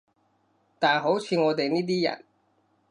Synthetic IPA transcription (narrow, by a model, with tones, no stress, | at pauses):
t̪aː˨nɦo˨˥wt͡ʃʰiː˧ŋɔː˨˧t̪e˨jniː˥t̪̬iː˥jɐ̰˨˩n